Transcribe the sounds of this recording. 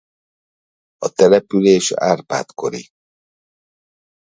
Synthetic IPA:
ɔt̪ɛɾɛpyɾeːʃaɾpa̰t̪koɾḭ

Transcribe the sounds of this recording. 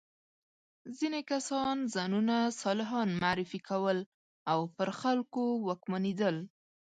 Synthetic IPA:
zinekasɑnzɑnunasɑlɪɦɑnmaʕɾɪfikʰawəl | awpəɾxalkowakmaned̪əl

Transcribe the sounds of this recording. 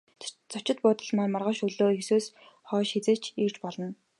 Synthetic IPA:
t͡sʰʊt͡ɕɪ̆t̪̚pʊːt̪ə̆ɮmaːrmarʁə̆ʃɵɮoːxesuːs | χɔːʃxit͡seːt͡ɕʰiːr̥t͡ɕpɔɮɞ̆n

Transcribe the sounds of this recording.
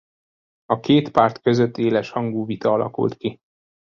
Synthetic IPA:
ɒkeːt̪paːrt̪kø̞zøt̪ːeːlɛʃhɒŋɡuːvit̪ɒɒlɒ̰kṵlt̪ki

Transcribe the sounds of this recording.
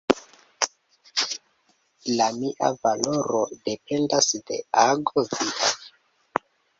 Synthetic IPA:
lamiʔa̰valo̞ɾode̞pe̞ndasde̞̰aɡoziʔa̰

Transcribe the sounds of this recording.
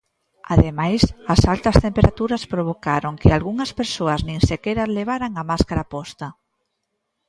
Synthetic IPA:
a̰ðemajsɐsalt̪ɐst̪empeɾat̪uɾɐspɾoβ̞okaɾoŋkɪalɣuŋɐspeɾsoɐznĩŋsekeɾazleβ̞aɾaŋamaskaɾapɔst̪ɐ

